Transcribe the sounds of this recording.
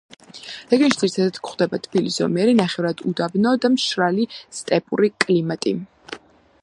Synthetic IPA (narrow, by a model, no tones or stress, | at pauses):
ɾɛɡɛnʃid̪z̥iɾit̪ʰɛd̪at̪kχwd̪ɛbat̪ʰb̥ilisɔ̰mɛɾinaχɛvɾad̪ud̪abnɔd̪amʃɾalist̪ʼɛpʼṵɾikʼlimat̪ʼi